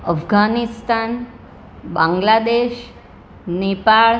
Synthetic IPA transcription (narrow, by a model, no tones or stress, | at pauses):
əfɡʱanist̪an | bãŋɡlad̪eʃ | nepaɭ